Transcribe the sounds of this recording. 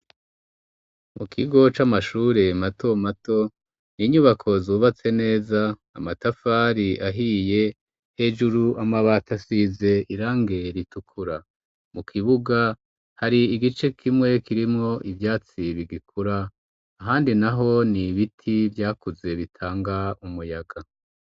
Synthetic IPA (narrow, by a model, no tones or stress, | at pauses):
mukʰiɡo̞t͡ʃamaʃuːɾe̞matʰo̞mato̞ | niɲuβakʰo̞zuːβat͡se̞ne̞ːzaːmatafaːɾiʔaɦije̞ | he̞d͡ʒuɾuʔamaβatasize̞iɾaːŋɡe̞ɾitukʰuɾa | mukʰiβuɡa | haɾiːɡit͡ʃe̞kʰimŋe̞kiɾimŋo̞ʔivjaːt͡siβiɡikʰuɾaː | ɦaːndinaɦo̞niβitʰivjaːkuze̞βitʰaːŋɡaumujaɡa